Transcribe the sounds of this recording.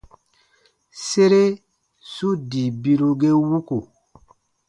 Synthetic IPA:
se˦ɾe˦ | su˦di˨bi˦ɾu˦ɡe˦wu˦ku˨

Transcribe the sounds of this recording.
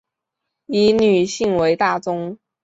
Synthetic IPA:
i˧˥ny˨˩ɕi˥˩ŋwe˧˥ɪt̪a˥˩t͡sʊ˥ŋ

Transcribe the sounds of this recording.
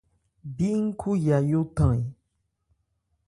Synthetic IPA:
bi˦ŋ̩˦kʰu˦ja˨jo˦tã˨i˨

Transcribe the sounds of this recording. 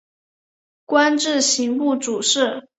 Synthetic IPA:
kwa˥nʈ͡ʂɻ̩˥˩ɕi˧˥ŋpu˥˩ʈ͡ʂu˨˩ʂɻ̩˥˩

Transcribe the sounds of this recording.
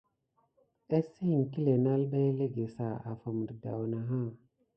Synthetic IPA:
e˦si˦˨ŋ˨ki˦le˨na˦lba˦jle˦ɡe˨sa˨a̰˨fə˨m˨ɾda̰˨wna˨ɦa˦˨

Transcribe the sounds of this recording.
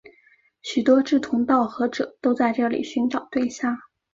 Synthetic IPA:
ɕy˨˩t̪wɔ˥ʈ͡ʂɻ̩˥˩t̪ʰʊ˧˥ŋt̪ɑ˥˩ʊxɤ˧˥ʈ͡ʂɤ̰˨˩˦t̪o˥ʊt͡sa˥˧ɪʈ͡ʂɤ˥˩lḭ˨˩ɕy˧˥nʈ͡ʂɑ˨˩˦ʊt̪we˥˧ɪɕja˥˩ŋ

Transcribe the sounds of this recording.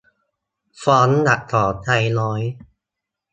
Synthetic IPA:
fɔː˨˧˥nna˨˩k̚t̪ʰɔː˨˩˦t̪ʰa˧jlɔː˨˦j

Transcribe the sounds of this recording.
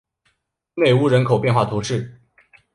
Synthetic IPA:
ne˨˩ɪu˥˩ɻə˧˥nkʰo˨˩ʊpjɛ˥˧nxwa˥˩t̪ʰu˧˥ʂɻ̩˥˩

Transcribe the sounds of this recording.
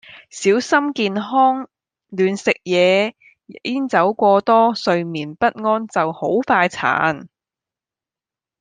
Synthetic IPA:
siː˨˥wsɐ˥mkiː˨nɦɔː˥ŋ | lyː˨nsɪ˨k̚jɛː˨˧ | iː˥nt͡sɐ˨˥wkʷɔː˧t̪ɔː˥sɵ˧ɥmiː˨˩npɐ˥t̚ŋɔː˥nt͡sɐ˨who˨˥wfaː˧jt͡sʰa̰ː˨˥n

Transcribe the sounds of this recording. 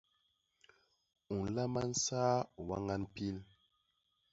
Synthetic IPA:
u˨n˨la˦ma˦n̩˦saː˦˨wa˦ŋa˦npi˦l

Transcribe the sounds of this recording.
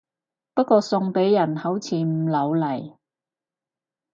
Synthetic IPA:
pɐ˥t̚kɔː˧sʊ˧ŋpe˨˥jːɐ˨˩nhɐ˨˥wt͡sʰiː˨m̩˨˩lɐ˨˧wlɐ˨˩j

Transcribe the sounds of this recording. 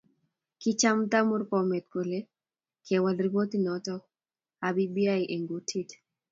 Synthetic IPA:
kɪ˦t͡ʃa˦mt̪a˦mʊ˦rpɔ˨me˨t̪̚ko˨le˦ | kʰe˨wa˨lri˦bo˦t̪i˦nɔtɔ˦ | abi˦bia˦jʔe˨ŋɡu˨˦tʰi˦t

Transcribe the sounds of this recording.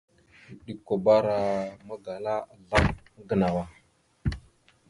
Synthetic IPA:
ɗi˦ko˨ba˦ɾa˨ma˦ɡa˨la˦a˨ɮa˦m˦ | ɡə˨na˨wa˨

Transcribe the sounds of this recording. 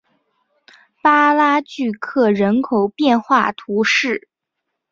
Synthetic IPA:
pa˥la˥t͡ɕy˥˧kʰɤ˥˩ɻə˧˥nkʰo˨˩ʊpjɛ˥˧nxwa˥˩t̪ʰu˧˥ʂɻ̩˥˩

